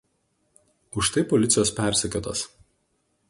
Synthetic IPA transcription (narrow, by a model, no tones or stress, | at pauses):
ʊʃt̪ɐɪpɔlʲɪt̪sʲɪjoːspʲæˑɾʲsʲɪkʲot̪ɐs